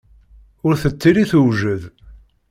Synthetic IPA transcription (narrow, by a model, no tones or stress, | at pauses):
ʊɾθət͡sːiɾiθuwʒəð